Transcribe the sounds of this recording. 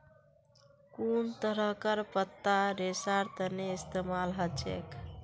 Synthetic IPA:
kunt̪əɾəɦkəɾpət̪ːaɾesaɾt̪əneist̪emalɦət͡ʃḛk

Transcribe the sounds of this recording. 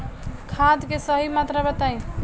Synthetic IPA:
kʰad̪kesəɦimat̪ɾabət̪aj̃

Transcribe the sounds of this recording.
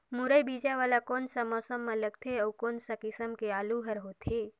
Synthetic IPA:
muɾəjbid͡ʒaʋaːlakoːnsəmɔːsəmːeləɡ̚t̪ʰeəwkoːnsəkɪsəmkeaːluɦəɾɦot̪ʰe

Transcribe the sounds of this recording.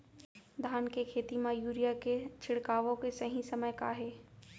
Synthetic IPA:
d̪ʱaːnkekʰeːt̪imãjuːɾijaket͡ʃʰɪɽkaːʋõkesɐɦĩsɐməjkaɦɛː

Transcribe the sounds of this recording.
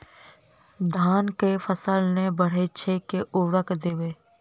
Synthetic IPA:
d̪ʱaːnkefʰəsəlnebəɽ̤et͡ʃʰeːkeʔʊʋəkd̪eːʋeː

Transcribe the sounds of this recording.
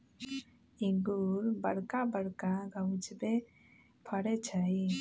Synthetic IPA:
iɡuɾbəɽkabəɽkaɡawd͡ʒbɛ | pʰəɽɛt͡ʃʰai

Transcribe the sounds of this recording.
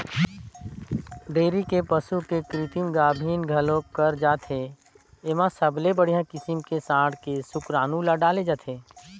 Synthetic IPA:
ɖeːɾikepəsukekɾɪt̪imɡaːbʱiːnɡʱɐlõkəɾd͡ʒaːt̪ʰɦe | eːmãsəblebəɽ̤ijãkɪsɪmkesãːɽkesʊkɾaːnulaɖaːled͡ʒaːt̪ʰeː

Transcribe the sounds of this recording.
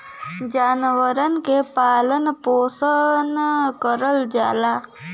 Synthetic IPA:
d͡ʒaːnʋəɾənkepaːlənpoːsənkəɾəld͡ʒaːla

